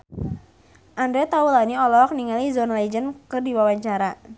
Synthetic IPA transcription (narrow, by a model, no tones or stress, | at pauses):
ʔandɾɛt̪aulaniɔlɔk̚niŋalizɔnlad͡ʒənkɨrdiwawaɲt͡ʃaɾa